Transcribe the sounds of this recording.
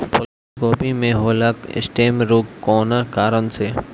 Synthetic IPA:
pʊl | koːpimẽɦoːlakɪ̰sʈeːmɾukkːɔːnakaːɾənse

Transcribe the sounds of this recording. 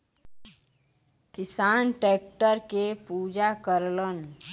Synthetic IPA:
kɪsaːnʈeːk̚ʈəɾkepuːd͡ʒakəɾlən

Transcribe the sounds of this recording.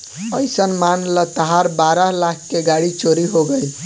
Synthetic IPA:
əjsənmanlət̪əɦaɾbaɾəɦlakʰːeɡaɽit͡ʃoɾiɦoɡəjl

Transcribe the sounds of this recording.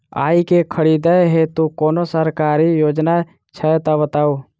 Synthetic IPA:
a̰ːikekʰəɽiːd̪əeɦet̪ũkoːnosəɾkaːɾijoːd͡ʒna | t͡ʃʰəɛt̪abət̪aːuː

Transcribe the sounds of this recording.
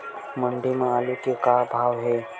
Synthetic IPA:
məɳɖ̪imə̃alekikabʱaʋɦe

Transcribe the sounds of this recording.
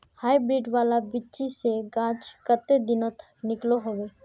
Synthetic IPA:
haːjbɾiːɖʋaːlabɪt͡ʃiseɡãːt͡ʃkət̪ed̪ɪnõt̪ʰknɪkloɦoʋeː

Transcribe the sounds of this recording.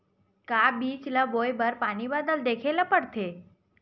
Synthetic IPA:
kabit͡ʃlabojbəɾpanibad̪əld̪ekʰeləpəɽt̪ʰe

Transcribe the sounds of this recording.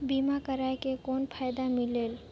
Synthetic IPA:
bimakəɾajkekoːnpʰajd̪amileːl

